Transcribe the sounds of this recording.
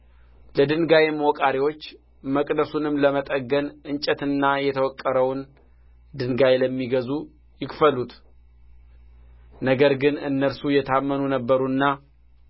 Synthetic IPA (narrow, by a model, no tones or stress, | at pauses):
ləd̪ɨnɡajemwɔkʼaɾiwo̞t͡ʃː | məkʼd̪əsunɨmləmət̪ʼəɡːənɨnt͡ʃʼɛt̪ɨnːajɛt̪ʰəwɔkʼːəɾəwn | d̪ɨnɡajləmːiɡəzu | jɪkfəlut̪ | nəɡəɾɡɨnɨnːəɾsujɛt̪ʰamːənunəbːəɾuɨnːa